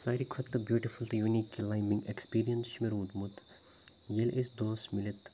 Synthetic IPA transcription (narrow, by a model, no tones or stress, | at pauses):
saːɾikʰʋɐt̪ːəbjuːʈifult̪juniklãjmbĩŋɡekspiːɾijɐnsʃimeɾũːd̪mut̪ | jelʔesd̪oːsmilet̪